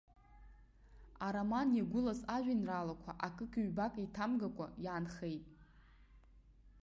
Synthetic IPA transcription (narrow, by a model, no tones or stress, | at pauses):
aɾamanaɡʷʊlasaʒᶣʷanralakʷʰa̰ʔakʼɨkʼiɥbakʼaitʰamɡakʷʼa̰jaːnχejtʼ